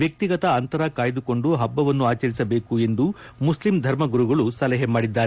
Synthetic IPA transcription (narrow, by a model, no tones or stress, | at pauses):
jɐk̚t̪iɡɐt̪ɐːnt̪ɐɾɐkaːjd̪uko̞ɳɖuɦɐbːɐʋɐnːuaːt͡ʃɐɾisɐbe̞ːkue̞nd̪umuslimd̪ʱɐɾmɐɡuɾuɡɐɭusɐlɛɦemaːɽid̪ːaːɾe